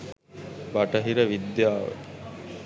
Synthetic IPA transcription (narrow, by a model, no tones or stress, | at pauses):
baʈɐɦiɾəʋid̪jaːʋə̰